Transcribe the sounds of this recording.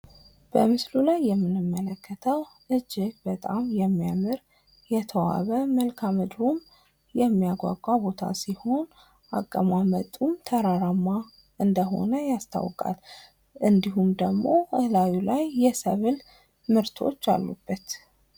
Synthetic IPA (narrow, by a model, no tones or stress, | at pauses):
b̥əmɨslulajːɛmːɨnɨmːələkːət̪ʰəw | ʔɨd͡ʒːɪbət̪ʼamjɛmːijamɨɾ | jɛt̪ʰəwa̰βəməlkʰamɨd̪ɾum | jɛmːijaɡʷa̰ɡʼabo̞t̪ʰa̰siho̞n | ʔa̰kʼːəmamət̪ʼːumt̪ʰəɾaɾamːa | ʔɨnd̪əɦo̞̰nəjast̪ʰa̰wkʼa̰l | ʔɨnd̪iɦumd̪əɡmo̞ɨhlawulajːɛsəβɨl | mɨɾt̪ʰo̞̰t͡ʃːa̰lːṵb̥ːət̪